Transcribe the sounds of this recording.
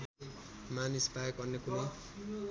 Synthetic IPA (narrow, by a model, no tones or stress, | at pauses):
manispajekʌrnekuni